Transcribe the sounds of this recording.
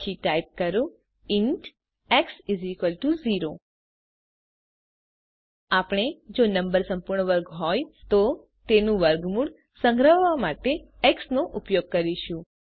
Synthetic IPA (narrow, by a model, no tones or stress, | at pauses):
iʈajp̚kəɾo | ɪnʈ | eksizikʋəlʈuziɾo | apɽ̃ed͡ʒonəmbəɾsə̃mpuɾɳəʋəɾɡɦɔjt̪o | t̪enũʋəɾɡmuɽ | səŋɡɾəʋʋamaʈe | eksnoʔupjoɡ̚kəɾiʃũ